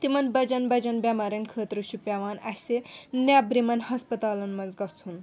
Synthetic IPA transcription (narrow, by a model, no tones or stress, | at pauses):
t̪imɐnbɐd͡ʒɐnbɐd͡ʒɐnbʲamaːɾʲɐnkʰəːt̪ɾuʃupʲaʋaːnɐsenabɾimɐnhɐspɐt̪aːlɐnmɐnzɡɐt͡shun